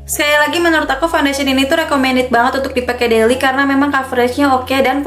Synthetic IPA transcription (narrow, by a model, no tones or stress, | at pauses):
sə̥kajalaɡimənəɾʊt̪akufawndasininit̪uɾɛkomɛndɪt̪̚baŋət̪unt̪ʊk̚dipakɛdelikaɾənamemaŋkafɾɛt͡ʃɲaokedan